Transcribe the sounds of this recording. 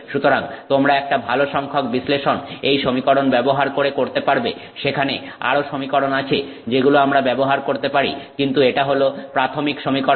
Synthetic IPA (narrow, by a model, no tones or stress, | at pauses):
ʃut̪oɾaŋt̪omɾaɛk̚ʈabʱaloʃɔŋkʰok̚bisleʃonejʃomikɔɽonbɛboɦaɾkoɾekoɾt̪epaɾbḛ | ʃekʰane | a̰ɾoʃomikɔɽonat͡ɕʰe | d͡ʑeɡuloamɾabɛboɦaɾkoɾt̪epaɾḭkint̪ueʈaɦolopɾat̪ʰomikʃomikɔ